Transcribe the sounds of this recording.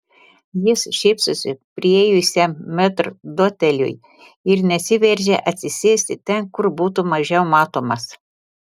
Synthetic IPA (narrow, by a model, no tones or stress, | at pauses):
jɪsʃʲɛɪpsʊsʲɪpʲɾʲɪɛjʊsʲɛmːʲɛt̪ɾd̪oːt̪ʲɛlʲʊ̰j | ɪɾnʲɛsʲɪʋʲɛɾʲʒʲɛʔɐt̪ʲsʲɪsʲeːsʲt̪ʲɪt̪ʲɛnkʊɾbuːt̪ʊmɐʒʲɛʊmɑːt̪oːmɐs